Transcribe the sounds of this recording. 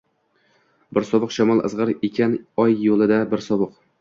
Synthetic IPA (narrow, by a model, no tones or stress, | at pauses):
bɪɾsɒbɨqʃamɒlˠɨ̰zʁɨɾekʲʰanɒjːolˠɪd̪abɪɾsɒbɨq